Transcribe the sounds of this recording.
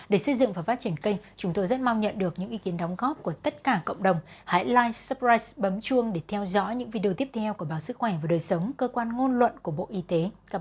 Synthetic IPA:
ɗe˧˩sə˧jzɨ̰˧˨ŋvaː˨˩wfaː˦t̚t͡ɕi˧˩ənkə˧jŋ̟t͡ɕʊ˨˦ŋ͡mt̪o˧jzə˦˥t̚ma˧wɲə̰˧˨nɗɨ˨˩ək̚ɲɨ̰˧˥ʔi˨˧˦ki˨˦ənɗɔ˨˦wŋ͡mɣɔ˦˥p̚ku˧˩ət̪ə˦˥t̚kaː˧˩kə̰˧˨wŋ͡mɗə˨˩wŋ͡mha̰ː˧˥jlaː˧jsə˦˥pɹaː˧jsɓə˨˦mt͡ɕu˧əŋɗe˧˩t̪ʰɛ˧wzɔ̰˧˥ɲɨ̰˧˥ŋvi˧ɗe˧˨˧t̪i˦˥əp̚t̪ʰɛ˧wku˧˩əɓaː˨˩wsɨ˦˥k̚xwɛ˧˩vaː˨˩ɗəː˨˩jsə˨˦wŋ͡mkəː˧kwaː˧nŋo˧nlwə̰˧˨nku˧˩əɓo̰˧˨ʔi˧t̪e˨˦

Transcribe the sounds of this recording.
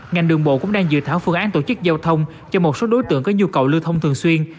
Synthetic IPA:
ŋa˨˩jŋ̟ɗɨ˨˩əŋɓo̰˧˨kʊ̰˧˥ŋ͡mɗaː˧ŋzɨ̰˧˨t̪ʰaː˧˩wfɨ˧əŋʔaː˨˦nt̪o˧˩t͡ɕɨ˦˥k̚zaː˧wt̪ʰə˧wŋ͡m | t͡ɕɔ˧mo˨˩t̚so˨˦ɗo˨˦jt̪ɨ̰˧˨əŋkɔː˨˦˥ɲu˧kə̰˨˩wlɨ˧wt̪ʰə˧wŋ͡mt̪ʰɨ˨˩əŋswi˧ən

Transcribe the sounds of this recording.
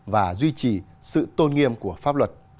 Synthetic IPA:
vaː˨˩zwi˧t͡ɕi˨˩ | sɨ̰˧˨t̪o˧nŋi˧əmku˧˩əfaː˦˥p̚lwə˨˩t̚

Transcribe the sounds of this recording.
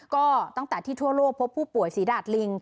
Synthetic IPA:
kɔː˥˩t̪a˥˩ŋt̪ɛː˨˩t̪ʰiː˥˩t̪ʰu˥˩əloː˥˩k̚pʰo˦˥pʰːuː˥˩pu˨˩əjsiː˨˩˦daː˨˩t̪̚li˧ŋ

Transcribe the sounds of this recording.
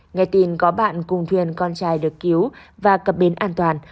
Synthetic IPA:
ŋa˨˧˩jt̪i˨˩nkɔ˨˦ɓa̰ː˧˨nkʊ˨˩ŋ͡mt̪ʰwi˨˩ənkɔ˧nt͡ɕaː˧˩jɗɨ˨˩əkːi˨˦wvaː˨˩kə˨˩p̚ɓe˨˦nʔaː˧nt̪waː˨˩n

